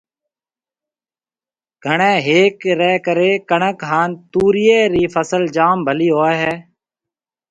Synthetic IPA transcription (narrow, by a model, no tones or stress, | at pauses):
ɡ̥ʱəɳẽːɦeːkɾɛːkəɾeːkəɳəkɦaːnt̪uːɾɪjeːɾiːfʰəsəld͡ʒaːmbʱəliːɦoːɦɛː